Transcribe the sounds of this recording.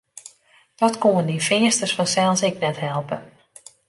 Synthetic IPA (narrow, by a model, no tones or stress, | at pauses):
d̥ɔtkoəndifɪəstərsfɔnsɛlˠsɪknɛtɦɛlˠpə